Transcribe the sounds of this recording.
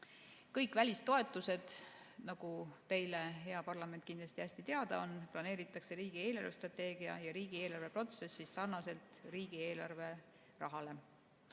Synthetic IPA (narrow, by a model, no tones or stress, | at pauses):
kɤjkːˑvælʲist̪o̞e̞t̪ˑːuse̞d̪̥nɑɡ̥ut̪e̞jleɦe̞ɑpɑrlɑme̞nt̪̚kind̪lɑsʲt̪iæsʲt̪it̪e̞ɑd̪ɑ̰o̞nplɑne̞ːɾit̪ːˑɑkse̞ɾiːɡ̥ie̞ːlɑrve̞st̪rɑt̪e̞ːɡiɑ̰jɑɾiːɡ̥ie̞ːlɑrve̞pro̞t̪se̞sːissɑrnɑse̞lt̪ˑriːɡ̥ie̞ːlɑrve̞ | rɑɦɑle̞